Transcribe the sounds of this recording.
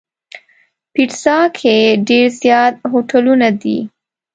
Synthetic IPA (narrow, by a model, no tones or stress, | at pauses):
piʈsɑkʰeɖeɾzjɑt̪̚ɦoʈʰalunad̪ḭ